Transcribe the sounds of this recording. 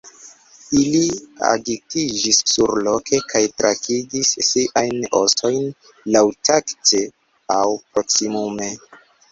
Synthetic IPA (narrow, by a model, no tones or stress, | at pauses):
ilia̰ɡitid͡ʒisːuɾlo̞kʰe̞kʰajtɾakʰiɡisːiʔajno̞̰so̞jn | lawtakte̞ | awpɾo̞ksimume̞